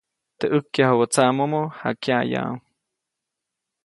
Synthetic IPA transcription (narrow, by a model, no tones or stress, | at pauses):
t̪eʔəkːjahawot͡saʔmomoha̰kjaja̰u